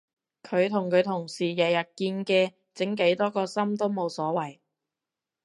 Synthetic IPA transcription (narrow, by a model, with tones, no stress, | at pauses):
kʰɵ˨˧ɥt̪ʰʊ˨˩ŋkʰɵ˨˧ɥt̪ʰʊ˨˩ŋsiː˨˩jɛː˨˩jɐ˨t̚kiː˧nkɛː˧ | t͡sɪ˨˥ŋke˨˥jt̪ɔː˥kɔː˧sɐ˥mt̪o˥wmo˨˧wsɔː˨˥wɐ˨˩j